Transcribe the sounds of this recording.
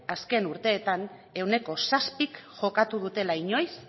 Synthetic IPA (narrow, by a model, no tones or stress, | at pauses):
aske̞nuɾt̪e̞ːt̪an | e̞wne̞ko̞saspikʝo̞kat̪uð̞ut̪e̞laiɲo̞js